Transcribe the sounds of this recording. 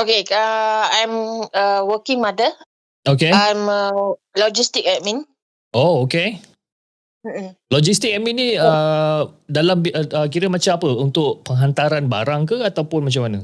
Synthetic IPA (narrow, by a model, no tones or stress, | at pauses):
okeaajməwəkĩŋmadə | okeajmə | lɔd͡ʒist̪ik̚ɛʔmĩn | ʔooke | m̩m̩lɔd͡ʒist̪ikɛʔ̚mĩnĩə | dalamək̬iɾəmat͡ʃamapəunt̪ʊʔpəŋɦant̪aɾanba̰ɾaŋkəat̪awpʊnmat͡ʃamːanə